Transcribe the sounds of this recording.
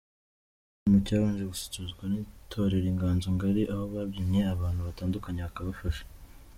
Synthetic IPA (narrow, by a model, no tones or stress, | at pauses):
mucaːβaːnʒeɡuse̥cuzɡwanitʰo̞ɾeɾiŋɡaːnzoŋɡaɾiʔahoβaβjimeaβaːn̥huβataːndukaɲeβakaβafaʃe̥